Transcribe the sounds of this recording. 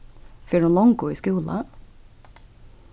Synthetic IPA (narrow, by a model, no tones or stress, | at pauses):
feːɖunlɔŋɡuːiːskʉːlɑ̰